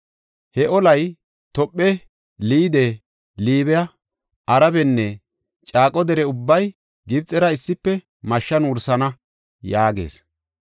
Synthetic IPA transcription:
hɛʔɔlɐj | t̪ɔpʼːɛ | liːd̪e | liːbɛjɐ | ʔɐɾɐbɛnːɛ | t͡ʃʼaːkʼɔd̪ɛɾɛʊbːɐj | ɡɪbt͡sʼːɛɾɐɪsːɪpːɛ | mɐʃːɐnwʊɾsɐnɐ | jaːɡe̞̰ːs

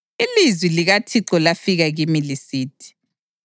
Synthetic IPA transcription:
ilizwiliɣatʰiǁɔlafiɣaɣimilisiːtʰi̥

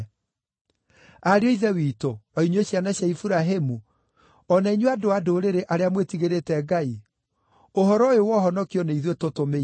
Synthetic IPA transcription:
aɾeɔiðɛwiːtoɔiɲweɕjanaɕjaifuɾaɦemu | ɔnaiɲoadoadoɾeɾeʔaɾeamwetiɣeɾetɛɡai | oɦɔɾɔjowɔɦɔnɔkiɔneiðwetotome

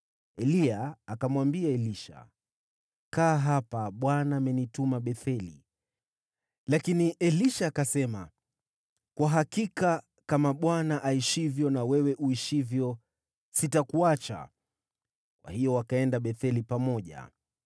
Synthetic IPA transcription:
ɛliaːkamwambiaɛliʃa̰ | kaːɦapaɓwanaːmɛnitumaɓɛθɛlḭ | lakiniʔɛliʃaːkasɛma̰ | kwaɦakika | kamaɓwanaʔaiʃivjɔnawɛwɛʔuiʃivjɔ | sitakuat͡ʃa̰ | kwʔa̰hijɔwakaɛndaɓɛθɛlipamɔʄa̰

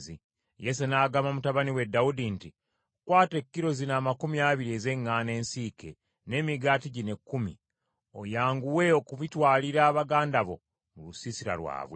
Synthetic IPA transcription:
zi | jes̬enaːɡamamutaβaniwe̞daudinti | kwaːte̞kːiɾo̞zinaːmakumiaβiɾieze̞ŋːaːne̞ːnsiːke̞ | ne̞ːmiɡaːtiɟine̞kːumḭ | o̞jaːŋɡuwe̞okuβitwaːliɾaːβaɡaːndaβo̞̰ | mulusisiɾa̰lwa̰ːβwe

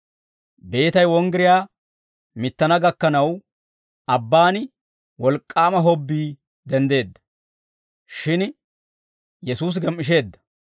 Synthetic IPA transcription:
be̞ːt̪ɐjwɔŋɡɪɾɪjaː | mɪt̪ːɐnɐɡɐkːɐnɐw | ɐbːaːnɪ | wɔlkʼːaːmɐɦɔbːiː | d̪ɛnd̪e̞ːd̪ːɐ̥ | ʃɪn | jɛsuːs̬ɡɛmːɪʃ̬e̞ːd̪ːɐ̥

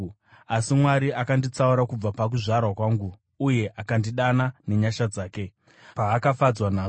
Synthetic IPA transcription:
asimwaɾiakandit͡sauɾakub͡vapak̬uʐarwakwaːŋɡuː | je̞ʔakandiɗanane̞ɲaʃad͡zaːke̞ | paːkafad͡zwanaː

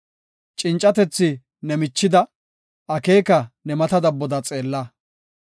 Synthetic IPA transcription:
t͡ʃʼɪnt͡ʃʼːɐt̪ɛt͡sːɪ | nɛmɪt͡ʃːɪd̪ɐ | ʔɐke̞ːkɐnɛmɐt̪ɐd̪ɐbːɔd̪ɐt͡sʼe̞ːlːɐ

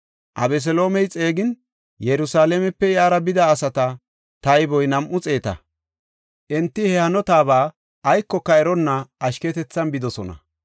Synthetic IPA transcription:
ʔɐ̰bɛs̬ɛlo̞ːmɛjt͡sʼeːɡɪn | jɛɾʊsaːlɛmɛpːɛjaːɾɐbɪd̪ɐːsɐt̪ɐ | t̪ɐjbɔjnɐmʔʊt͡sʼe̞ːt̪ɐ̰ | ʔɛnt̪ːɪhɛhɐnɔt̪aːβaː | ʔɐjkːɔkːɐɛɾɔnːɐːʃkɛt̪ɛt͡sːɐnbɪd̪ɔsɔnɐ̰

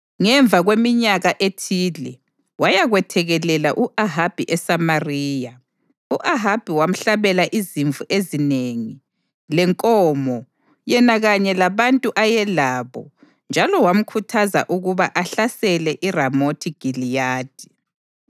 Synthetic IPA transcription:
ŋɛɱvʱaɣwemiɲaɣaʔetʰilɛ | wajaɣwɛtʰɛɣɛlɛlaʔuʔaɦab̥ʱiʔɛsamariːja | uʔaɦab̥ʱiwam̩ɬaβɛlaʔiziɱvuʔezineŋi | lɛŋkʼɔmɔ | jɛnaɣaɲɛlaβantʼuʔajɛlaːβɔ̰ | nd͡ʒʱalɔwam̩kʰutʰaza̰ʔuɣuβaʔaɬasɛlɛʔiramotʰiɡ̥ʱilijaːd̥ʱi

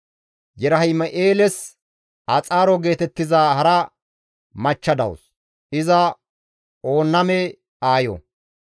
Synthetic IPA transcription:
jɛɾɐhɪjmɐʔeːlɛs | ʔɐt͡sʼaːɾɔɡe̞ːt̪ɛt̪ːɪzaːhɐɾɐ | mɐt͡ʃːɐd̪ɐ̰ws | ʔɪzɐ | o̞ːnːɐmɛ | aːjɔ̰

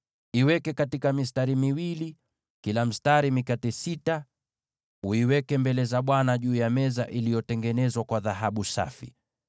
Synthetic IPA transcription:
iwɛkɛkatikamistaɾimiwili | kilam̩staɾimikatisita | uiwɛkɛmbɛlɛzaɓwanaʄuːjamɛza̰ʔilijɔtɛŋɡɛnɛzwakwaðaɦaɓusa̰fḭ

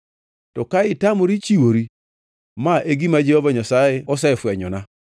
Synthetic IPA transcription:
tɔkaɪtamoɾit͡ʃiwoɾi | maʔeɡimad͡ʒehovaɲasajeɔs̬ɛfɛɲɔna

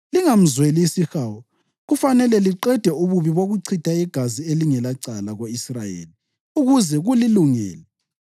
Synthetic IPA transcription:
liŋam̩zwelisixawɔ | ɣufanɛlɛliǀɛd̥ʱɛuβuβiβoɣuǀʰid̥ʱaiɡ̥ʱazieliŋɛlaǀalaɣoisrajḛːli | uɣuzɛɣuliluŋɛ̰ːlɛ

